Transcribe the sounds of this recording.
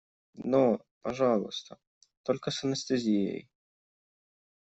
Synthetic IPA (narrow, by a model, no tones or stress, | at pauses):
no | pɐʐɑlˠʊ̰st̪ə | t̪olʲkəsɐnəst̪ɨzʲijeə̰j